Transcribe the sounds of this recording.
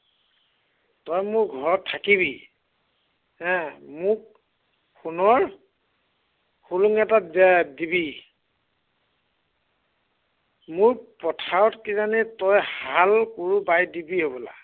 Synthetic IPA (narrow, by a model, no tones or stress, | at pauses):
tɔjmʊɹɡʱɔɹɔtʰːakiβi | ɦɛ̃mʊk̚ | xunɔɹ | xuluŋɛtadɛdibi | mʊɹpɔtʰaɔtkizanitɔjhalkuɹubajdibiɦobɔla̰